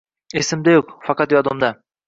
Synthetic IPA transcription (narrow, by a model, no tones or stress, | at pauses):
esɪmd̪æjoqfɑqɑt̪joɑd̪omd̪ɑ